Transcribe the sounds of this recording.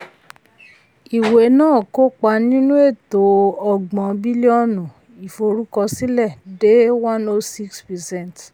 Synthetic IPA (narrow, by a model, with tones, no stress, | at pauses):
i˨we˨nãː˦˨ko˦k͡pa˧nĩ˦nũ˦e˦˨to˨˦ɔ˧˨ɡ͡bɔ̃˨bi˦li˦ɔ˦˨nũ˨ | i˨fo˧ɾu˦kɔ˧si˦lɛ˦˨de˦wã˦no˧si˦kspɛ˨sɛ̃˦˨n˨t